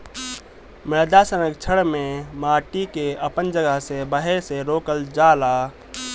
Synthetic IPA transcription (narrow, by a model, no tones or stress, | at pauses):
mɪɾd̪asənəkt͡ʃʰəɽmẽmaːʈikeəpənd͡ʒəɡəɦsebəɦeseɾoːkəld͡ʒaːla